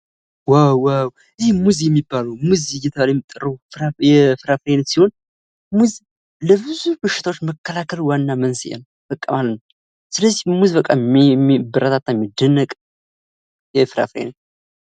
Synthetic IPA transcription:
wawːaw | ɨzihmuzjɛmːibːaləwmuzijɛt̪ʰəβaljɛmːit̪ʼːərəuajɛfɨɾafɾenət̪siho̞n | muz | ləbɨzubɨʃːɪ̥t̪ʰawot͡ʃːməkːəlakʰəlwanːamənsjɛ̰nəwfəkʼːəmalənəw | sɨləzːihmuzβəkʼːamibɨɾət̪ʰat̪ːajɛmːid̪ənːəkʼ | jɛfɨɾa̰fɾḛnə

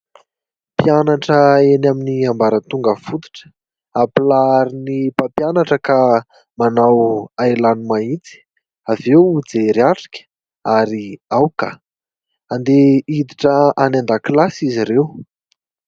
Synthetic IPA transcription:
pianaʈ͡ʂəenaminiambaɾət̪uŋɡəfut̪u̥ʈ͡ʂə̥ | aplaaɾinipapjanaʈ͡ʂəka | manawaelanumait͡si̥ | avewud͡zeɾiaʈ͡ʂḁkʲə̥ | aɾiawkə̰ | and̪eid̪iʈ͡ʂəanand̪aklasiziɾew

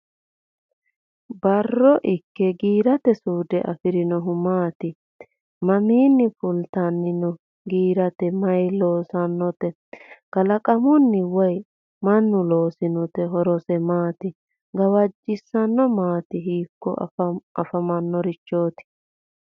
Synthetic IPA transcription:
bɐrːɔʔɪkːɛɡiːɾɐt̪ɛsuːd̪ɛʔɐ̰fɪɾɪnɔɦʊmaːt̪ɪ | mɐmiːnːɪfʊlt̪ɐnːɪnɔ | ɡiːɾɐt̪ɛmɐjlo̞ːsɐnːɔt̪ɛ | ɡ̥ɐlɐkʼɐmʊnːɪwɔj | mɐnːʊlo̞ːsɪnɔt̪ɛɦɔɾɔsɛmaːt̪ɪ | ɡɐwɐd͡ʒːɪsːɐnːɔmaːt̪ɪɦiːkːɔ̰ʔɐfɐmɐnːɔɾɪt͡ʃːo̞ːt̪ɪ̥

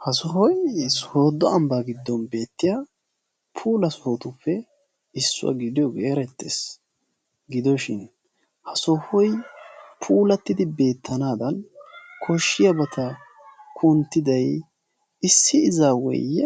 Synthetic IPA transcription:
hɐsɔɦɔjsɔhoːd̪ːɔɐmbaɡɪd̪ːɔnbe̞ːt̪ːɪja | pʰuːlɐsɔhoːt̪ʊpːɛ | ɪsːʊ̰wɐ̰ɡɪd̪ɪjɔɡeːɾɛt̪ːḛs | ɡɪd̪ɔʃɪn | hɐsɔhɔjpʰuːlɐt̪ːɪd̪ɪbe̞ːt̪ːɐnaːd̪ɐnkʰɔʃːɪjɐbɐt̪ʰɐ | kʰʊnt̪ːɪd̪ɐj | ɪsːɪɪzaːwɔ̰j

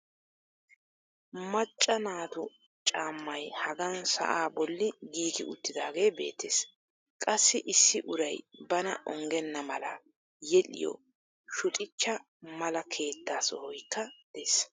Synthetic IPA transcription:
mɐt͡ʃʼːɐnaːt̪ʊ | t͡ʃʼaːmːɐjhɐɡɐnsɐ̰ʔaːbɔlːɪɡiːɡɪ̰ʊ̰t̪ːɪd̪aːɡe̞ːbe̞̰ːt̪ːeːs | kʼɐsːɪʔɪsːɪʔʊɾɐjbɐnɐ̰ʔɔŋɡɛnːɐmɐlɐ̰ | jɛlɪ̰jɔ̰ | ʃʊt̪ʼɪt͡ʃːɐ | mɐlɐkʰe̞ːt̪ːaːsɔhɔjkːɐd̪̥eːs

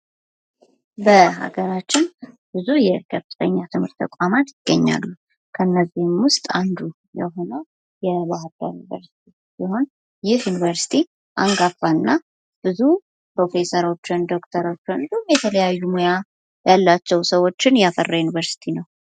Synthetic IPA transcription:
bəɦa̰ɡəɾat͡ʃːɪn | b̥ɨzujɛkʰəfɨ̥t̪ʰəɲːat̪ʰɨmhɨɾt̪ːʰəkʼamat̪jɪɡ̥ːəɲːa̰lːu | kʰəɨnːəzihmwʊst̪ʼand̪u | jɛ̰ɦo̞nəw | jɛβaɦaɾd̪a̰junivə̰ɾsi̥t̪ʰi | siho̞n | jɪhjunivəɾsi̥t̪ʰi | ʔaŋɡafːaɨnːa | b̥ɨzu | pɾo̞fe̞səɾo̞t͡ʃːɪnd̪o̞kt̪ʰəɾo̞t͡ʃːond̪uumjɛt̪ʰələjajːumoja | jalːat͡ʃːɛwsəwo̞t͡ʃːɪnjafərːajunivəɾsi̥t̪ʰinəw

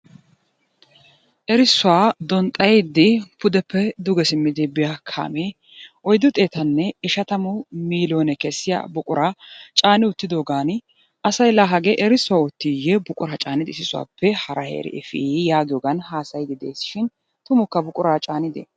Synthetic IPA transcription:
ʔɛɾɪsːʊwaːd̪ɔnt̪ʼɐjed̪ːɪpʊd̪ɛpːɛd̪ʊɡɛsɪmːɪd̪ɪbɪjakʰa̰ːme | ʔɔjd̪ːʊt̪ʼeːt̪ɐnːɛɪʃɐt̪ɐmʊmiːloːnɛkɛsːɪja̰ːbʊkʼʊɾaːt͡ʃʼaːnɪʊt̪ːɪd̪oːɡaːn | ɐsɐjlaːɦɐɡeʔɛɾɪsːʊwaːʊt̪ːɪjɛbʊkʼʊɾaːt͡ʃʼaːnɪd̪ɪsɪsʊwa̰ːpʰːɛhɐɾɐhḛːɾɛ̰ʔɛfḭjaːɡɪjoːɡɐnhaːsɐjd̪ɪd̪ḛːsːɪ̥ʃɪn | t̪ʊmʊkːɐbʊkʼʊɾaːt͡ʃʼaːnɪd̪ɛ̰

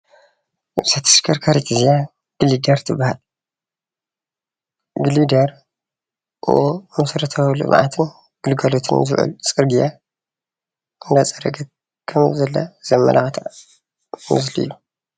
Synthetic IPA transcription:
ɨsat̪ʰɨ̥skʰɐɾkʰaɾit̪ʰɨzija | ɡ̥ɨlid̪ɐɾt̪ʰɨbahal | ɡɨlid̪ɐɾ | ʔɨ̰ʔomɐsɾɐt̪ʰawlɨ̰mʕa̰t̪ʰɨn | ɡ̥ɨlɡalot̪ʰɨnzɨ̰ʕṵlt͡sʼɨɾɡija | ɨnd̪at͡sʼɐɾɐɡɐt̪̚ | kʰɐmzɐlːɐ̰z̥ɐmːɐ̰lʔaxt̪ʰa̰ | mɨ̰zlijːu

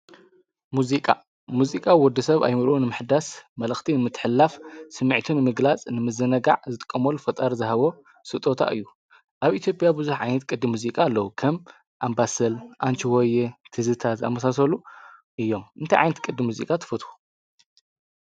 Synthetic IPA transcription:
muzikʼa̰ | muzikʼawwɔd̪ːɨsɐβa̰jmɨɾʔunɨmɨħd̪asmɐlɨxt̪ʰinɨmɨt̪ʰːɨ̥ħɨlːafsɨmːɨʕt̪ʰunɨmɨɡlat͡sʼnɨmɨzɨnɐɡa̰ʕzɨt̪ʼɨ̥kʼːɐmɐlːufɐt̪ʼaɾzɨhɐβo̞ | sɨt̪ʼo̞t̪ʰa̰ʔɨ̰jːu | ʔaβʔit̪ʰjopʼjabɨzuħʕajnɐt̪̚kʼɨd̪ːɨmːuzikʼaːlːɐwukʰɐm | ʔambasɐlʔant͡ʃiwojɛt̪ʰɨzɨt̪ʰazɨa̰mɐsasɐluʔɨjːo̞mʔɨnt̪ʰajʕajnɐt̪̚kʼɨd̪ːɨmuzḭkʼat̪ʰɨ̥fɐt̪xu̥

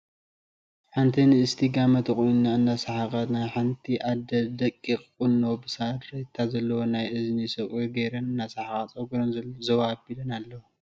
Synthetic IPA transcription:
ħant̪ʰinɨɨst̪ʰiɡamɐt̪ʰɨχʼujnːaɨnːasaħakʼat̪najħant̪ʰiʔad̪ɐd̪ɐkʼːikʼːunːobɨsat̪ɾɐjt̪ʰːazɐlːɐwonajʔɨznisɐχʼuɡɐjɾɐnɨnːasaħakat͡sʼɐɡɾonzzɐwaːbilɐnalːɐw

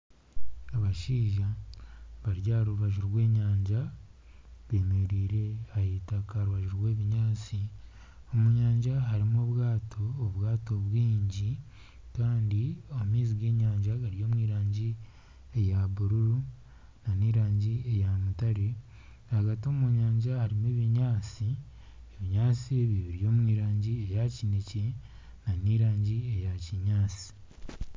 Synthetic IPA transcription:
aβaʃiːʒa | βaɾɟaːɾuβaʒuɾɡwe̞ːɲaːɲʒa | βeːmeɾiːɾe̞ahitakaɾuβaʒuɾwe̞ːβiɲaːt͡si | omuɲaːɲʒaɦaɾimoβwaːtʰo̞ːβwaːto̞βwiːɲɟi | kaːndioumiːziɡwe̞ːɲaːɲʒaɡaɾijo̞ːmwiːɾaːɲɟi | ejaβuɾuɾu | naniːɾaːɲɟiejamutaɾe | haɡatioːmuɲaːɲɟahaɾimeβiɲaːt͡si | eβiɲaːt͡siβiβiɾijo̞ːmwiːɾaːɲɟiejacinece | naniɾaːɲɟiejaciɲaːt͡si̥

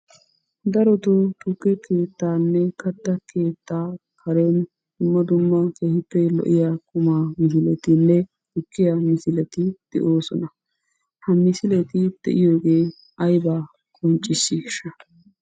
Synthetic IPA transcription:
d̪ɐɾɔt̪ot̪ʊkːɛke̞ːt̪ːaːnːɛkɐt̪ːɐke̞ːt̪ːaːkʰɐɾɛn | d̪̥ʊmːɐd̪ʊmːɐkeːhɪpːɛlɔ̰ʔɪjaːkʊmaːmɪsɪlɛt̪ɪnːɛ | ʊkːɪjɐmɪsɪlɛt̪ɪd̪̥ɛ̰ʔoːsɔnɐ | hɐmɪsɪlɛt̪ɪd̪̥ɛ̰ʔɪjo̞ːɡe̞ː | ɐjbaː | kʼɔnt͡ʃʼːɪʃːiʃɐ

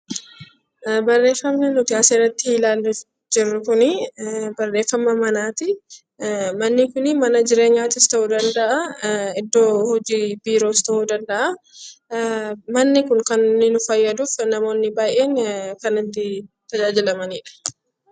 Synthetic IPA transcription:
bɐrːe̞ːfːɐmnɛnʊt̪ɪaːserːɐt̪ːɪilaːlːɛf | d͡ʒɪrːʊkʊnɪbɐrːe̞ːfːɐmːɐmɐnaːt̪ɪ | mɐnːɪkʊnɪmɐnɐd͡ʒɪɾe̞ːɲːaːt̪ɪst̪ɐʔuːd̪ɐnd̪ɐʔɐɪd̪ːo̞ːhɔd͡ʒiːbiːɾo̞ːst̪ɐhud̪ɐnd̪ɐʔɐ | mɐnːɪkʊŋkɐnːɪnʊfɐjːɐd̪uːfnɐmo̞ːnːɪbaːjʔe̞ːŋkɐnɪt̪ːɪt̪ɐd͡ʒaːd͡ʒɪlɐmɐniːᶑɐ̥

